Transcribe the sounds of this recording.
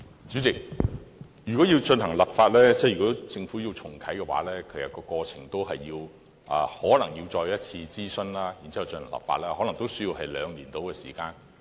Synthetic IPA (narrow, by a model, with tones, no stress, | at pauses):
t͡ʃy˨˥t͡sɪ˨k̚ | jyː˨˩kɔ˨˥jiː˧wt͡ʃɵ˧nɦɐ˨˩ŋlɐ˨p̚faː˧t̚lɛː˥t͡sɛ˥˩jyː˨kɔ˨˥t͡sɪ˧ŋfuː˨˥ji˧wt͡sʰʊ˨˩ŋkʰɐ˨˥jkɛ˧wa̰ː˨˥lɛː˥kʰɵ˨˥jɐ˨˩kɔː˧kɔː˧t͡sʰɪ̰˨˩ŋt̪o˥wɦɐ˨jːiː˧w | ʔɐ̰ː˧hɔː˨˥lɐ˨˩ŋjiː˧wt͡sɔː˧jɐ˥t̚t͡sʰiː˧t͡siː˥sɵ˥nlaː˥ji˨˩nt͡si˥ɐ˨wt͡ʃə˧nhɐ˨˩ŋlɐ̰˨p̚fa̰˧t̚lɛː˥hɔː˨˥lɐ˨˩ŋt̪o˥wsɵ˥jiː˧wɦɐ˨jlœː˨˧ŋliː˨˩nt̪o˨˥wkɛː˧sḭː˨˩kaː˧n